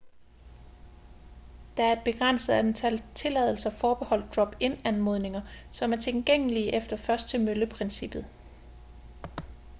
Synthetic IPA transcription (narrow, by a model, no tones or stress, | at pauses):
d̥æ̈æɐe̝d̥̚b̥e̝ɡ̥ʁɑn̰səð̩ˠæd̥ent͡sʰælt͡sʰe̝lɛð̞̰ˠl̩sɐfɒːb̥e̝hɒ̽l̰d̥̚d̥ʁɒ̽b̥e̝nænmo̝ðˠne̝ŋɐsɒ̽mæɐt͡sʰelɡ̥eŋ̰əliʔefd̥ɐfɶɐsd̥̚t͡sʰe̝møləpʰʁensib̥ð̞̩ˠ